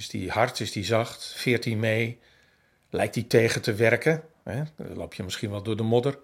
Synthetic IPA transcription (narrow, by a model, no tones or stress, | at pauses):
ɪsdihartɪsdizɑxtfɪət̚dimeː | lɛjk̚titeːɣətəʋɛrkə | ɛlo̰ːpʰjəmɪskiənʋɔlˠdʊːdəmʊdər